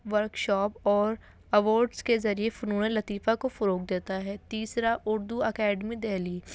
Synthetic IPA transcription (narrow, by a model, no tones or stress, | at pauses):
ʋəɾkʃɔːpɔːɾ | ɐʋoːɾɖskezɐɾiefʊnuːnẽlɐt̪iːfakofʊɾoːk̚d̪eːt̪aɦɛːt̪iːsɾaʔʊɾd̪uəkɛːɖmid̪eːliː